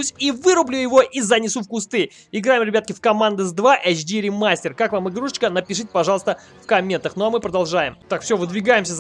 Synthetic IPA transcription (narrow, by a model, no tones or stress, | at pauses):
usʲivɨɾʊblʲujɪvo̞ʔizɐnʲɪsufkʊst̪ɨ | ɪɡɾajɪmɾʲɪbʲat̪kʲɪfkɐmand̪ɨzd̪vaʔɛt͡ɕd̪ʲiɾʲɪmasʲtʲɪrkakvamɨɡɾuʂɨ̥t͡ɕkənəpʲɪʂɨtʲɪ̥pɐʐɑlˠəst̪ə | fkɐmʲːe̞nt̪əxnoɐmɨpɾəd̪ɐlˠʐajɪmt̪akfsʲɵvɨd̪vʲɪɡajɪmsʲəz